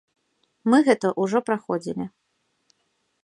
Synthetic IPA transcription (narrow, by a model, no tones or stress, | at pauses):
mɨɣɛt̪ɐʔuʐɔpɾaxɔd͡zʲḭlʲi